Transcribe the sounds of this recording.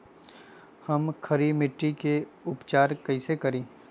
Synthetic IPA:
hɐmkʰɐɾimɪʈːikeʊpt͡ʃaːɾkɐisekɐɾẽː

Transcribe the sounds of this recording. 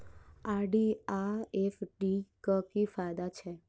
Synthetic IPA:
aɾɖiaefɖikəkifajd̪at͡ʃʰe

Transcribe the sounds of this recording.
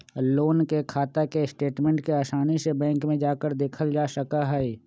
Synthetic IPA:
loːnkekʰaːt̪akeɪsʈeːʈmɛ̃ɳʈkeaːʃaːnisebɛ̃ːŋkmẽd͡ʒaːkəɾd̪eːkʰəld͡ʒaːʃəkaɦɛ

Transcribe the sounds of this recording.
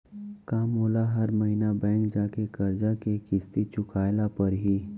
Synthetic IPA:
kaːmoːlaɦɐɾməɦiːnabɛ̃ːŋkd͡ʒaːkekɐɾd͡ʒakekɪst̪it͡ʃʊkʰaːjlapɐɾɦiː

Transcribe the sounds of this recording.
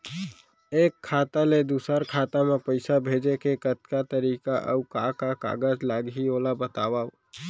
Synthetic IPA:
eːkʰːaːt̪aled̪uːsəɾkʰaːt̪amẽpəɪsabʱeːd͡ʒekekət̪kat̪əɾiːkaʔə̰ukakaka̰ːɡəd͡ʒlaːɡɦioːlabət̪aːwao

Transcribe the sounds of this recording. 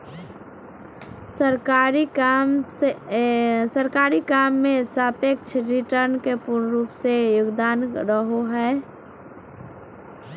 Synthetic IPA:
səɾkaːɾim | səɾkaːɾikaːmːẽsaːpek̚t͡ʃʰɾɪʈəɾnkepʊɾnɾuːpsejʊɡd̪aːnɾəɦoɦɛː

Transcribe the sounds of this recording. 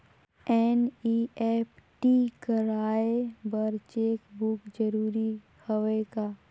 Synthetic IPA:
ɛːniɛːpʈikəɾaːebəɾt͡ʃeːkbʊkd͡ʒəɾuːɾi | hɐʋekaː

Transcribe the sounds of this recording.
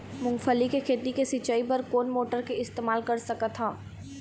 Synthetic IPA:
mʊ̃ŋɡfəlikekʰeːt̪ikesit͡ʃaːipɐɾkoːnmoːʈəɾkeɪst̪eːmaːlkɐɾsɐkat̪ʰaː

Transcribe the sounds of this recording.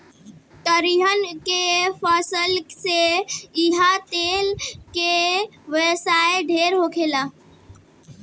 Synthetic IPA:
t̪əɾiɦənkepʰəsəlseiɦat̪eːlkeʋesaːeɖʱeːɾɦokʰeːlaː

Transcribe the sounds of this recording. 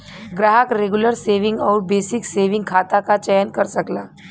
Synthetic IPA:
ɡɾaːɦəkɾeːɡʊləɾseːʋɪ̃ŋɡɔːɾbeːsɪkseːʋɪ̃ŋɡkʰaːt̪akat͡ʃɛjənkɐɾsɐklaː

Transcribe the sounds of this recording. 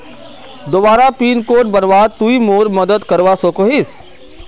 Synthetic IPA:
d̪obaːɾapiːnkoːʈ̚bənbaːd̪̚t̪uimoːɾmɐd̪əd̪kəɾʋasoːkoɦɪs

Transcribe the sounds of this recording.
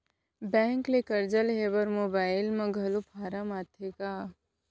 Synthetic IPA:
bɛ̃ːŋklekɐɾd͡ʒəlɦeʋəɾmoːbaːɪlmɐ̃ɡʱɐlopʰaːɾəmat̪ʰekaː

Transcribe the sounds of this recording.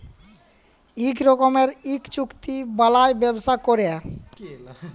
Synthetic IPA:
ikɾɔkomeɾikt͡ɕukt̪ibalajbebʃakoɾe

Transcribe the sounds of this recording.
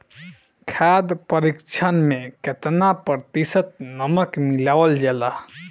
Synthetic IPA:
kʰad̪pəɾikt͡ʃʰənmeket̪napɾt̪isət̪̚nəməkmilawəld͡ʒɛla

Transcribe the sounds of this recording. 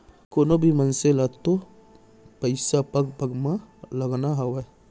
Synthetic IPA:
koːnõbʱimənselat̪o | pəɪsapəkpəɡmãləɡnaɦəwɛ

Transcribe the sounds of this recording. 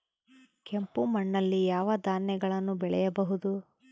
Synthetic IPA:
kempumɐɳːɐlːijaːʋɐd̪aːnjɛɡɐɭɐnːubɛɭɛ̰jɐbɐɦud̪u

